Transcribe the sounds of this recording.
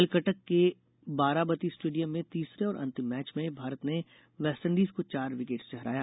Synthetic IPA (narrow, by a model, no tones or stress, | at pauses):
ɪlkəʈəkːe | baːɾabət̪isʈeːɖijəmːẽt̪iːsɾeɔːɾʔɐ̰̃nt̪ɪmːɛːt͡ʃmẽbʱaːɾət̪ne | ʋɛːsʈə̃ɳɖiːzkot͡ʃaːɾʋɪkeːʈst͡ʃɛɦɾa̰ːjaː